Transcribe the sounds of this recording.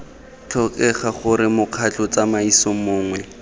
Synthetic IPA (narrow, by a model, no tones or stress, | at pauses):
t͡ɬʰɔkɛχaχʊɾɪmʊq͡χʰat͡ɬʊt͡samaisɔmʊːŋwɛ